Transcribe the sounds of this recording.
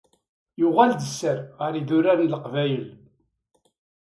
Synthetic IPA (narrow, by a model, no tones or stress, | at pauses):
jʊʁæld̪əsːəɾʁəɾiðʊɾaɾiləqvæjəl